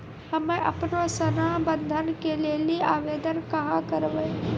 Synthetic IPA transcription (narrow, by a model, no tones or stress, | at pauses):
həmẽʔɐ̰pnoːsənabənd̪ʱənkeleliaːʋeːd̪ənkɐɦãkəɾʋəj